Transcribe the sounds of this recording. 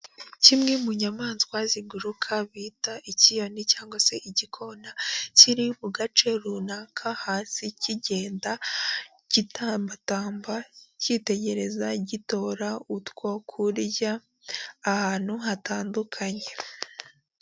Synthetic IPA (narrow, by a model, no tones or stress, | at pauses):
cimŋe̞muɲamaːnzkwaziɡuɾukʰaβiːtaʔicijo̞nicaːŋɡwase̞ʔiɟikʰo̞naciɾiβuɡat͡ʃe̞ɾunakʰahaːsiciɟe̞ːnda | ɟ̥itambataːmbacite̞ɟe̞ɾe̞zaɟito̞ːɾautkokʰuɾjaː | haːn̥huɦataːndukʰaɲe̞